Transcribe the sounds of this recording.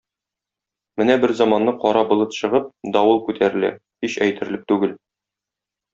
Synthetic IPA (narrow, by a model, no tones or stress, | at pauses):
mɘnæbɘɾzɒmɑnːɤqɒɾɑbŏlˠɤt̪ɕɤ̆ʁɤp̚d̪ɒwɤlˠkʉt̪ʰæɾɘ̆læ̰ | hiɕæjt̪ɘ̆ɾɘ̆lɘp̚t̪ʉɡɘl